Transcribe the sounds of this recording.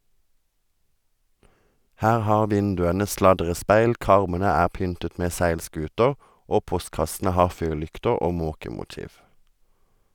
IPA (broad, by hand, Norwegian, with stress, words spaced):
ˈhæːʁ ˈhɑːʁ ˈʋɪndʉənə ˈslɑdʁəˌspæɪl ˈkɑʁmənə ˈæːʁ ˈpʏntət ˈmeː ˈsæɪlˌskʉːtəʁ ˈʔoː ˈpɔstkɑsn̩ə ˈhɑːʁ ˈfyːʁˌlʏktəʁ ˈoː ˈmoːkəmʊˌtiːʋ